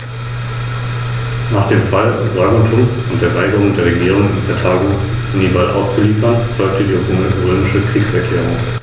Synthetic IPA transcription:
naːχd̥eːmfalʁaɡontʰʊnsʊntd̥eːɐvaɪɡəʁ̞ʊŋdeːɐʁeɡiːʁ̞ʊŋɪnpʰɛtʰaːɡo | niːbalʔa̰ʊst͡suliːfɐnfɔʏk̚tədiːoboŋnəboɪɪʃəkʁ̥iːksɛɐkʰlɛːʁ̞ʊŋ

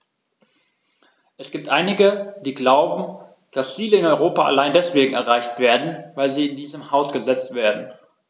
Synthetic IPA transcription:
ʔɛsɡ̥iːp̚tʔaɪnɪɡəd̥iːɡlaʊbm̩ | d̥ast͡siːləɪnɔʏʁoːpaa̰laɪndɛsv̥eːɡŋ̩ɛ̰ɐʁaɪçtv̥eːɐdn̩vaɪlziːɪndiːzəmhaʊsɡ̥əzɛt͡stv̥eːɐdn̩

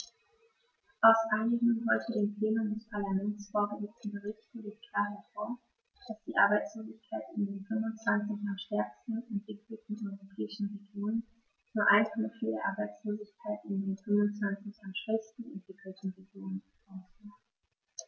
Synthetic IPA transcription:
ʔaʊsʔaɪnɪɡŋ̩ɦɔʏtʰədeːmpl̥eːnʊmdɛspʰaɐlamɛntt͡sfoːɐɡəzɛt͡st͡stn̩bəʁɪçtfəleːt̚kʰl̥aːɐɦɛɐfoːɐ | d̥asd̥iːʔa̰ɐbaɪt͡sloːzɪçkʰaɪtɪndeːnfʏmvʊnt͡sv̥ant͡sɪçanʃtɛɐkstn̩ɛntv̥ɪkʰl̩tn̩ʔɔʏʁopʰɛːɪʃn̩ʁeɡjoːnən | t͡suːɐʔaɪnkʰɔməfideːɐʔaɐbaɪt͡sloːzɪçkʰaɪtɪndeːnfʏmvʊnt͡sv̥ant͡sɪçanʃɛstn̩ɛ̰ntv̥ɪkʰl̩tn̩ʁeɡjoːnən | aʊsvaː

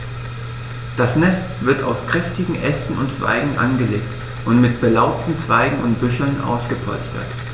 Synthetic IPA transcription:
d̥asnɛstv̥ɪɐta̰ʊskʁ̥ɛftɪɡŋ̩ʔɛstn̩ʊntt͡sv̥a̰ɪɡŋ̩ʔa̰nɡəleːk̚t | ʔʊntmɪt̚b̥əlaʊp̚tn̩t͡sv̥aɪɡŋ̩ʊntb̥ʏʃl̩nʔa̰ʊsɡ̥əpʰɔ̰lstɐ̰t

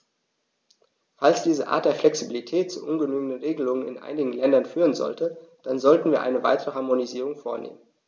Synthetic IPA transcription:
falsd̥iːzəʔa̰ːɐt̚d̥eːɐflɛksibilitʰɛːt̚t͡sṵʔʊnɡənyːɡən̩dənʁeːɡəlʊŋənɪ̰nʔa̰ɪnɪɡŋ̩lɛndɐnfyːʁ̞ənzɔ̰ltəd̥anzɔltn̩viːɐʔaɪnəva̰ɪtəʁəɦaɐmoniziːʁ̞ʊŋfoːɐnḛːmən

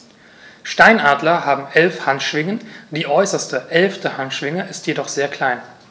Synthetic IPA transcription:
ʃtaɪnʔaːdlɐɦaːbm̩ʔɛlfhantʃv̥ɪŋənd̥iːʔɔʏsɐstəʔɛlftəhantʃv̥ɪŋəʔɪstjedɔχz̥eːɐkʰl̥aɪn

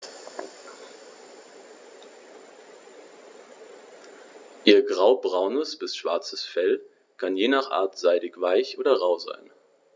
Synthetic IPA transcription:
ʔiːɐɡʁaʊbʁaʊnəsb̥ɪsʃv̥aɐt͡səsfɛl | kʰanjeːnaːχʔa̰ːɐtz̥aɪɾɪçv̥aɪçʔoːdɐʁaʊza̰ɪn

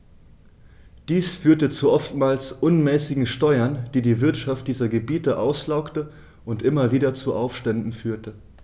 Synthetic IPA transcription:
d̥iːsfyːɐtət͡suʔɔftmaːlsʔʊnmɛːsɪɡŋ̩ʃtɔʏɐnd̥iːdiːvɪɐtʃaft̚d̥iːzɐɡəbiːtəʔaʊslaʊktə | ʔʊntʔɪmɐviːdɐt͡suʔaʊfʃtɛndn̩fyːɐtə

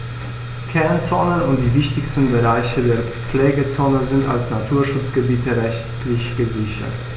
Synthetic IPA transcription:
kʰɛɐnt͡soːnənʊnt̚d̥iːvɪçtɪçstn̩bəʁaɪçədeːɐ | p͡flɛːɡət͡soːnəzɪnta̰lsnatʰuːɐʃʊt͡sɡ̥əbiːtəʁɛçtlɪçɡ̥əzɪçɐ̰t

